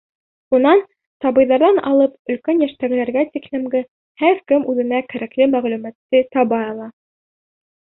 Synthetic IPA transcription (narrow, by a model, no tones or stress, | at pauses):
unɑn | t̪ɑβɤ̆jðɑɾðɑnɑ̰lˠɤp̚ɵ̆lkænjæʃt̪æɡɘ̆læɾɡæt̪iklɘ̆mɡɘ | hæɾkɘmʉðɘ̆nækæɾæklɘmæʁlʉmæt̪ːɘt̪ɑβɑjɑlˠɑ